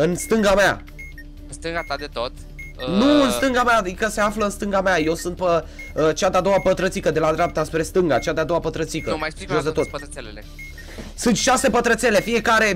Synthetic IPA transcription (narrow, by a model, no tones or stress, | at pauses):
ɨnst̪ɨŋɡamea̰ | ɨnst̪ɨŋɡat̪ad̪et̪ot̪ | nuɨnst̪ɨŋɡamaːd̪ikəse̞afləɨnst̪ɨŋɡamaje̞wsɨnt̪̚pə | ət͡ʃad̪ead̪o̞wapət̪ɾət̪sikəd̪e̞lad̪ɾeap̚t̪aspɾe̞st̪ɨŋɡat͡ʃad̪ead̪owapət̪ɾət̪sikəmajsosd̪et̪ot̪ | elee | sɨnt̪ʃase̞pət̪ɾət̪se̞le̞fie̞kaɾe̞